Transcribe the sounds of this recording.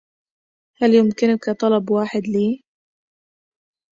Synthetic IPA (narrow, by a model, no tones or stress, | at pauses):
haljʊmkɪnʊkat̪ˤɑlɑbwaːħɪd̪liː